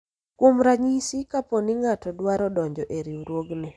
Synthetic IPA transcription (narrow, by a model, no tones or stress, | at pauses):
kwomɾaɲisikaponɪŋatɔdwaɾɔdɔɲd͡ʒɔʔeɾiuɾwoɡnɪ